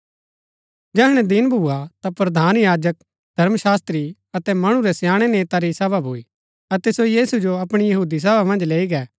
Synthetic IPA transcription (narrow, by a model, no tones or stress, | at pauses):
d͡ʒɛɦɽ̃ɛd̪ɪnbʱuːat̪apɾɐd̪ʱaːnjaːd͡ʒək̚ | d̪ʱɐɾmʃaːst̪ɾi | ɐt̪ɛmɐɽ̃uɾɛsjaːɽ̃ɛneːt̪aɾisɛːbabʱuiː | ɐt̪ɛsojiːsud͡ʒoɐpɽ̃ijɐɦuːd̪is̬ɛːbamɐ̃nd͡ʒleːiɡɛː